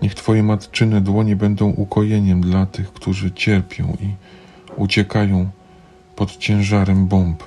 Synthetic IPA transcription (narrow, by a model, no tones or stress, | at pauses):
ɲɛxt̪fɔjɛmat̪t͡ʂɘnɛd̪wɔɲɛbɛnd̪ɔ̃w̃ʔukʰɔjɛɲɛmd̪lat̪ɘxkt̪uʐɘt͡ɕɛɾpʲjɔ̰̃w̃i | ut͡ɕɛkajɔ̃w̃ | pɔt̪t͡ɕɛ̃w̃ʐaɾɛmbɔmp